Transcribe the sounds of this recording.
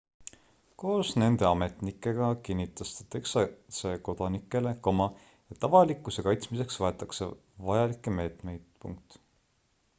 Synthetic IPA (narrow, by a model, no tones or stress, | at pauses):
ko̞ːsne̞nd̪e̞ɑme̞t̪nikːˑe̞ɡ̥ɑkinʲːit̪ːˑɑst̪e̥t̪e̞ksɑseko̞d̪̥ɑnikːˑe̞lekomɑ | et̪ːɑvɑlikːˑuse̞kɑjt̪smise̞ksvɑe̞t̪ːˑɑkse | vɑjɑlikːˑeme̞ːt̪me̞jd̪̥pṵŋk̚t̪